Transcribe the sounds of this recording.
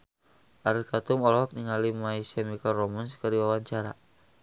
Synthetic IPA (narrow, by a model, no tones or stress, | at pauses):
ʔaɾit̪at̪umɔlhɔk̚niŋalimaisamikalrɔmanskərdiwawaɲt͡ʃaɾa̰